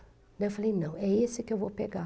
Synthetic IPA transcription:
d̪ɐewfalejnɐ̃w̃ɛesɪkɪewvopeɡa

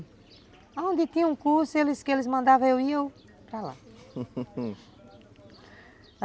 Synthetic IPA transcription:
aõnd̪ɪt̪ĩɐũkuɾsʊelɪskɪelɪzmɐ̃nd̪avɐ̃ewiew | pɾala̰

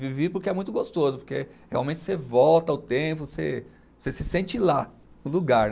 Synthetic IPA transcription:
vivepʊɾkeɛmũj̃t̪ʊɡost̪ozʊpoɾkeheawmẽnt͡ʃɪ̥sevɔwt̪ɐʊt̪ẽpʊsḛ | sesɪsẽnt͡ʃɪla | nʊ̃luɡaɾ

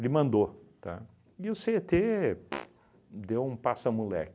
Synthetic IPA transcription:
lɪmɐ̃nd̪ot̪a̰ | ɪʊset̪e | d̪ewũpasɐmulɛ̰k

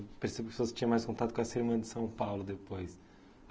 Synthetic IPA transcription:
peɾsebʊkɪpsoɐst͡ʃĩɲɐ̃majskõnt̪at̪ʊ̥kõɐseɾmɐ̃nɐd̪ɪ̥sɐ̃w̃pawlʊd̪epojs

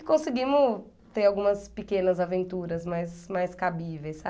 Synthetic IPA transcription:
kõsɪɡĩmʊ | t̪eɾawɡũmɐspɪkẽnɐzavẽnt̪uɾɐzmajsmajskabivejsa

